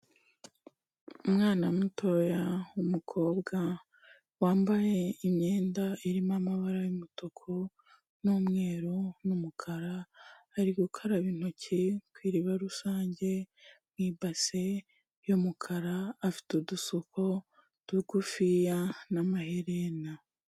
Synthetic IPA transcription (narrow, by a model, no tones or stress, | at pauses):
umŋaːnamuto̞jaumukʰo̞ːbɡa | waːmbaje̞imɲeːndaiɾimamaβaɾajimotokʰo | numŋe̞ːɾonumukʰaɾaːɾiɡukʰaɾaβiːn̥ocʰikwiːɾiβaɾusaːɲɟe̞mŋiːbase̞ | jomukʰaɾaːfi̥tudusokʰo̞ | d̥uɡufijanamaheɾena